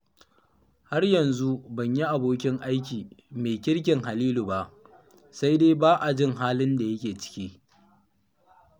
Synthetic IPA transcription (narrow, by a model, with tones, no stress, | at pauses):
ha˦rjɐ˨nzu˦bɐ˨ɲji˦ʔa˨boː˦kʲɪ˦ŋʔa˦jk̬ʲiː˨meː˨kʲɪ˦ɽk̬ʲɪ˨ŋɦa˨liː˦lu˨ba˦˨ʔ | sa˦jdeː˦baː˦ʔa˨d͡ʒɪ˦ŋɦaː˦lɪ˦nda˨jɐ˦kʲeː˨t͡ʃɪ̥˦kʲiː˦